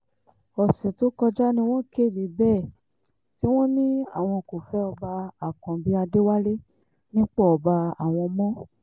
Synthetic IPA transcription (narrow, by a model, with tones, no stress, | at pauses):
ɔ˨sɛ˨to˦kɔ˧d͡ʒa˦nĩ˧w̃ɔ̃˦ke˦˨di˨˦bɛ˦˨ | ti˦w̃ɔ̃˦nĩ˦a̰˦˨w̃ɔ̃˧ko˨fɛ˨˦ɔ˧ba˧a˨kɔ̃˨bi˦a˧de˦wa˦le˦ | nĩ˦k͡pɔ˦ɔ˨ba˧a̰˨w̃ɔ̃˧mɔ̃˦